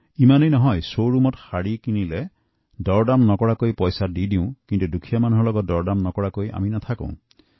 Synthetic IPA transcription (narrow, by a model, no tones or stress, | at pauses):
imanejnɔɦɔjsowɾumɔthaɽikinile | dɔɾɖamnɔkɔɽakoipɔjsadidiũkint̪udukʰijɔmanɔɦɔlɔɡɔdɔɾɖamnɔkɔɽakoiʔa̰minɔt̪ʰakõ̰ũ